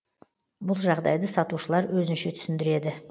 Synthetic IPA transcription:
bʊlˠʒɑʁd̪ɑ̰jd̪əsɑt̪uʃəlˠɑɾwɵzɪnʃe̞t̪ʰʏ̥sɪnd̪ɪɾe̞d̪ɪ

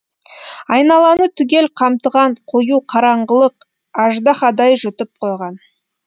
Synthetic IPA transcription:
ɑjnɑlˠɑnət̪ʰʏɡʲe̞lqʰɑmt̪əʁɑɴqʰojuqʰɑɾɑɴʁəlˠəq | ɑʒd̪ɑχɑd̪ɑjʒʊt̪ɪp̚qʰo̞jʁɑn

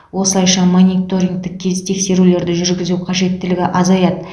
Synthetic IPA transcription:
wo̞səlˠɑjʃɑmonit̪o̞ɾʲiŋɡt̪ɪk̚kʲʰːe̞zt̪ʰe̞kse̞ɾule̞ɾd̪ɪʒʏɾɡʲɪzuqʰɑʒe̞t̪ːɪlɪɡʲɪʔɑzɑjɑt̪

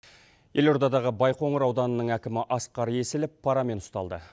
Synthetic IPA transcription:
je̞lo̞ɾd̪ɑd̪ɑʁəbɑjqʰo̞ɴəɾɑwd̪ɑnənəɴækʲɪmɪʔɑsqɑɾe̞sɪlɪpʰːɑɾɑme̞nʊst̪ɑlˠd̪ə

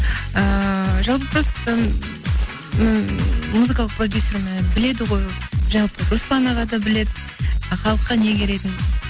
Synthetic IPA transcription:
əʒɑlˠp̬əbɾost̪ə | muzɨkalˠəqprod̪ʲjusʲːermæbɪle̞d̪ɪʁo̞jʒɑlˠpəɾuslˠɑnɑʁɑd̪ɑbɪle̞d̪ɪ | χɑlˠəqːɑne̞ɡʲeɾe̞t̪ɪn

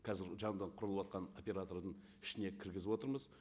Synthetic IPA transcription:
qʰɑzɪɾʒɑɴəd̪ɑɴqʰʊɾəlˠəwɑt̪̚qɑno̞pʲe̞ɾat̪o̞ɾd̪əɴ | ɪʃɪne̞kʲʰɪɾɡʲɪzɪbwo̞t̪əɾməz

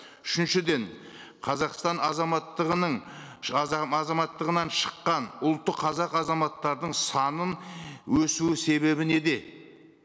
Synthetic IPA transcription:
ʏʃɪnʃɪd̪e̞ɴ | qʰɑzɑqst̪ɑnɑzɑmɑt̪ːəʁənəɴ | ɑzɑmɑt̪ːəʁənɑnʃə̥qːɑnʊlˠt̪ːəqʰːɑzɑqɑzɑmɑt̪ːɑɾd̪əɴsɑnənwɵsuɪse̞βe̞bɪne̞d̪e̞

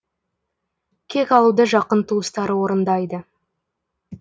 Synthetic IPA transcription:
kʲʰe̞kʲɑlˠud̪əʒɑqənt̪ʰuəst̪ɑɾəwo̞ɾənd̪ɑjd̪ə

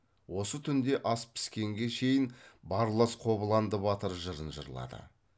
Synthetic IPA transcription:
wo̞sət̪ʰʏnd̪e̞ʔɑspʰɪ̥skʲe̞ŋɡʲe̞ʃe̞jɪnbɑɾlˠəsqʰo̞bəlˠɑnd̪əβɑt̪əɾʒəɾənʒə̰ɾlˠɑ̰d̪ə̰

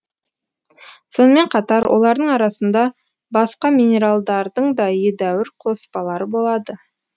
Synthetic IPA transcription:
so̞nəme̞ɴqʰɑt̪ɑɾwʔo̞̰lˠɑɾd̪əɴɑɾɑsənd̪ɑ | bɑsqɑmʲinʲe̞ɾalˠd̪ɑɾd̪əɴd̪ɑjed̪æwɪɾqʰo̞spɑlˠɑɾəbo̞lˠɑd̪ə

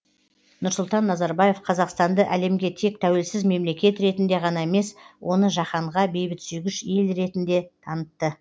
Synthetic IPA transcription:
nʊɾsʊlˠt̪ɑnːɑzɑɾbɑje̞fqʰɑzɑqst̪ɑnd̪əʔæle̞mɡʲe̞t̪ʰe̞k̚t̪ʰæwe̞lsɪzme̞mle̞kʲe̞t̪ɾe̞t̪ɪnd̪e̞ʁɑnɑeme̞swʔo̞nəʒɑχɑɴʁɑbe̞jbɪt̪syjɡʲɪʃe̞lɾe̞t̪ɪnd̪e̞t̪ʰɑnət̪ːə

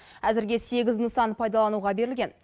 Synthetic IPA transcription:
æzɪɾɡʲe̞se̞ɡʲɪznəsɑnpʰɑjd̪ɑlˠɑnuʁɑbe̞ɾɪlʲɡʲe̞n

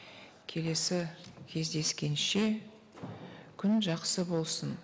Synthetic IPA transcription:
kʲʰe̞le̞sɪkʲʰe̞zd̪e̞skʲe̞nʃe̞ | kʲʰʏnʒɑqsəbo̞lˠsən

